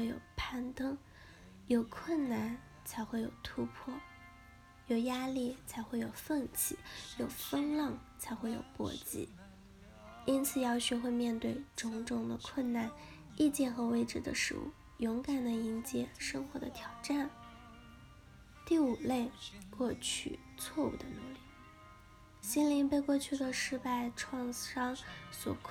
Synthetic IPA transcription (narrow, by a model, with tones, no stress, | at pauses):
e˥˩ɪjo̰˨˩ʊpʰa˥˩nt̪ɤ˥ŋ | jo˨˩ʊkʰwə˥˩nna˥˩n | t͡sʰa˧˥ɪxwe˥˩ɪjo˨˩ʊt̪ʰu˧˥pʰwɔ˥˩ | jo˨˩ʊja˥li˥˩t͡sʰa˧˥ɪxwe˥˩ɪjo˨˩ʊfə˥˧ŋt͡ɕʰi˨˦jo˨˩ʊfə˥ŋlɑ˥˩ŋt͡sʰa˧˥ɪxwe˥˩ɪjo̰˨˩ʊpwɔ̰˧˥t͡ɕḭ˧˥ | i˥nt͡sʰɹ̩˨˩jɑ˥ʊt͡ɕʰy˧˥xwe˥˧ɪmjɛ˥˧nt̪we˥˩ɪʈ͡ʂʊ˧˥ŋʈ͡ʂʊ˥˩ŋd̪ə˨kʰwə˥˧nna˥˩n | i˥˧t͡ɕjɛ˥˩nxɤ˧˥we˥ɪʈ͡ʂɻ̩˥˩d̪ə̰˧˦ʂɻ̩̰˧˥ṵ˥˩ | jʊ˧˥ŋka˨˩nd̪ə˩i˧˥nt͡ɕjɛ˨˩ʂɤ˥ŋxwɔ˧˥d̪ə̰˧t̪ʰjɑ˨˩ʊʈ͡ʂa˥˩n | t̪i˥˩u˨˩le˥˧ɪkwɔ˥˧t͡ɕʰy̰˥˩ | t͡sʰwɔ˥˧ṵ˨˩d̪ə˩nu˧˩li˥˩ | ɕi˥nli˧˥ŋpe˥˧ɪkwɔ˥˧t͡ɕʰy˥˩d̪ə˩ʂɻ̩˥˧pa˥˧ɪʈ͡ʂʰwɑ˥˧ŋʂɑ˥ŋswɔ̰˨˩kʰ